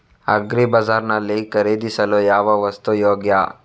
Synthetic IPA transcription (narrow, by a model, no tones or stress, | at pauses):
ɐ̰ɡɾibɐd͡ʒaːɾnɐlːikɐɾeːd̪isɐlojaːʋɐʋɐst̪ujoːɡja